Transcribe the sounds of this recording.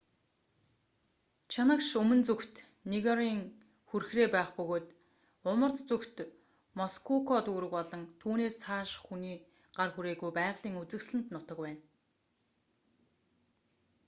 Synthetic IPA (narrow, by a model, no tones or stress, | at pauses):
t͡ɕʰanə̆kʃɵmɵ̆nt͡sɵkt̪ | niɣɔɾiːŋ | xurxreːpæːχpɵɣoːt̪ | ʊmə̆rt̪t͡sukt̪ | mɔskʰukʰɔt̪uːɾɘ̆kɔɮɞ̆ŋt̪ʰuːneːst͡sʰaːʃxuniː | ɢ̥arxuɾeːɣujpæːʁɮiːŋut͡sɘ̆ksɮɘ̆n̥t̪nʊt̪ə̆kwæːn